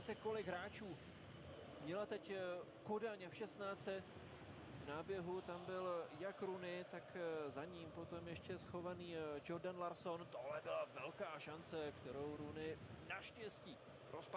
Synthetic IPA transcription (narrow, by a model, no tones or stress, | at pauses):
sɛko̞lɪɡɦɾaːt͡ʃuː | mɲɛlat̪ɛc | kodaɲɛfʃɛst̪naːt͡sɛ | vnaːbjɛɦut̪ambɪljakɾunɪt̪akzaɲiːmpo̞t̪o̞mjɛʃcɛsxo̞vaniːd͡ʒoɾdanlaɾso̞nt̪oɦlɛbɪlavɛlkaːʃant͡sɛkt̪ɛɾo̞wɾunɪnaʃcɛsciː | pɾosp